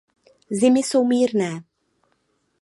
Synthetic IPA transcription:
zɪmɪso̞wmiːɾnɛː

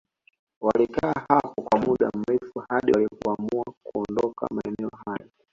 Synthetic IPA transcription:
walikaːhapɔkwamuɗam̩ɾɛfuhaɗilikuamuakuɔndɔka̰maɛnɛɔhaja

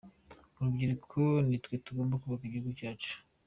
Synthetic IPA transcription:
uɾubɟiɾikʰonitwetuɡombakuβakiɟiuɡucaːt͡ʃu̥

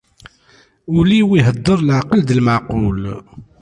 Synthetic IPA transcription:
uliwiɦəd̪ˤːəɾˤlʕqəld̪əlməʕqul

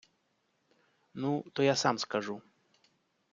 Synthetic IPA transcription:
nut̪ɔjasamskaʐu

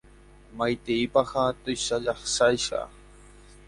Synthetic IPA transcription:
majt̪iːpahat̪ʊʃaʎɑχsajʃɑ̰

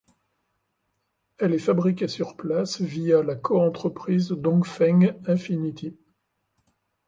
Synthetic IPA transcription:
ɛlɛfabʁik̬ʲesyʁplasvijalakʰɔɑ̃t̪χəpχizd̪ɔ̃ɡfɛŋɛ̃finit̪ʰi

